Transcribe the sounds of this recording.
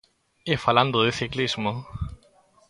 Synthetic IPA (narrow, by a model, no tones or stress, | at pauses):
efalãnd̪oðeθiklizmo